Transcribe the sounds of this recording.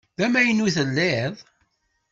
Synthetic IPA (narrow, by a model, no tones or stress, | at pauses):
ðæmæjənuθəlːɪðˤ